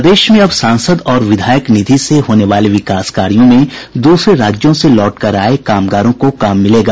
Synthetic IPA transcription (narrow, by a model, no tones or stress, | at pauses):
d̪eːʃmẽɐbsãːnsəd̪ɔːɾʋɪd̪ʱaːjəknɪd̪ʱiseɦoːneʋaːleʋɪkaːskaːɾijõmẽd̪uːsɾeɾaːd͡ʒjõselɔːʈkɐɾaːekaːmɡaːɾõkokaːmːɪleːɡaː